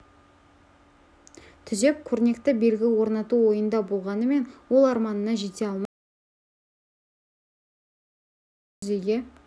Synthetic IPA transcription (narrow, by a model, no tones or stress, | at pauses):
t̪ʰʏze̞p̚kʲʰɵɾne̞kt̪ɪbe̞lɡʲɪwo̞ɾnɑt̪uwo̞jənd̪ɑbo̞lˠʁɑnəme̞nwo̞lˠɑɾmɑnəːɑʒe̞t̪e̞ɑlˠmɑ | ze̞ɡʲe